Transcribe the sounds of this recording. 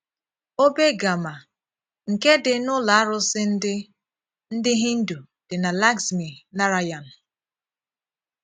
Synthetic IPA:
o˦be˦ɡa˨ma˨ | ŋ̩˨ke˦dɪ˨nʊ˦la˨a˦ɾʊ˦sɪ˦n̩˦dɪ˦ | n̩˦dɪ˦ɦi˦n̩˦du˨ | d̥ɪ˨na˨la˦ɡsmi˨na˦ɾa˦ja˨n̩˨

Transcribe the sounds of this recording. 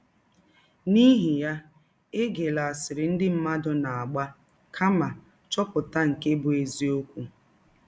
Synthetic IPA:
ni˦ɦi˨ja˦ | e˦ɡe˨la˨a˨sɪ˨ɾɪ˨n̩˦dɪ˦m̩˦ma˦dʊ˨na˨a˨ɡ͡ba˦ | kʰa˦ma˨ | t͡ʃɔ˦pʊ˨ta˦ŋ̩˨ke˦bʊ˨e˨zi˦o˦kʷu˦

